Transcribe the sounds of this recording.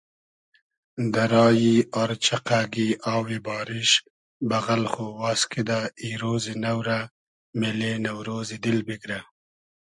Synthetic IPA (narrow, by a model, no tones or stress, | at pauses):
d̪aɾɑːjiaɾt͡ʃaqaɡiɑːwibɑːɾɪʃ | baɣalxowaːskid̪aiɾozinawɾa | melenawɾoːzid̪ɪlbɪɡɾa